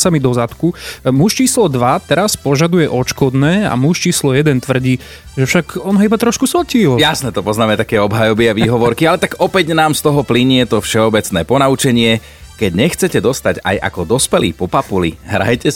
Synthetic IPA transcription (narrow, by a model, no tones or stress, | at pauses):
samid̪ɔzat̪kumuʃt͡ʃiːslɔd̪ʋat̪ɛɾaspɔʒad̪ujɛʔɔt͡ʃkɔd̪nɛːa̰muʃt͡ʃiːslɔjɛd̪ɛnt̪ʋr̩ɟiː | ʒɛfʃaɡɔnɦɔibat̪ɾɔʃkusʋlciːljasnɛːt̪ɔpɔznaːmɛt̪akɛːɔbɦajɔbiaʋiːɦɔʋɔɾkialɛt̪aɡɔpɛɟnaːmst̪ɔɦɔpliɲɛt̪ɔfʃɛɔbɛt͡snɛːpɔnaut͡ʃɛɲɪɛ | kɛɟɲɛxt͡sɛcɛd̪ɔst̪aɟa̰jʔa̰kɔd̪ɔspɛlḭːpɔpapulḭɦɾa̰jcɛ